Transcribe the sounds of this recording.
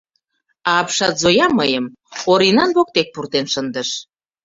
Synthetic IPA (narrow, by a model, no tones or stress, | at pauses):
ɑːpʃɑt̪zojɑmːəjəm | oɾinɑnβok̚t̪ek̚purt̪enʃənd̪əʃ